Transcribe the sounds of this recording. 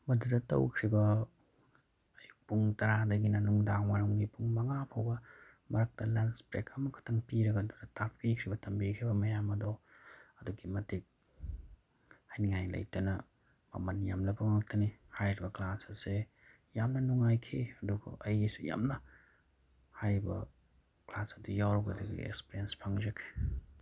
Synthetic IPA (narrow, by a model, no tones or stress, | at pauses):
mɐdudɐtɐ̰wkʰɾibɐ | ɐjuk̚puŋtɐɾadɐɡinɐnuŋdaŋmaɾɐŋɡipʰuŋmɐŋapʰawbɐ | mɐɾɐk̚tɐlanspɾekʰɐmɐkʰɐ̥tʰɐŋpiɾɐɡɐːdudɐtʰaɾpikʰɾibɐtʰɐmbikʰɾibɐmɐjamɐdɔɐduɡimɐtik̚ | hajniŋajlɐ̰jtɐnɐ | mɐ̰mɐnjamlɐbɐmaŋtʰɐnihajɾibɐklasɐse | jamnɐnuŋajkʰiɐduɡɐ̰ʔɐjisuja̰mnɐ | hajɾibɐ̰ | klasɐdujawɾɐɡɐdɐɡḭḛk̚spiɾijenspʰaŋzɐkʰi̥